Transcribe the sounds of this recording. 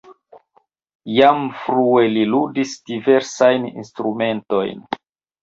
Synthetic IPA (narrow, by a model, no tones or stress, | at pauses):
jamfɾueliludisd̥ive̞ɾsajnḭnstɾume̞nto̞jn